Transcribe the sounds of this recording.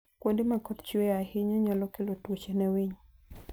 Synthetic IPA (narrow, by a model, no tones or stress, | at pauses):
kwondemakɔtt͡ʃwɛahɪɲaɲalɔkɪlotwot͡ʃɛnɛwiɲ